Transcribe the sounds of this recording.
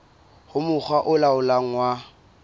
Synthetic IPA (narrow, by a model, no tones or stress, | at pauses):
hʊmʊχʰwaʔʊlaʊlaŋ̩wa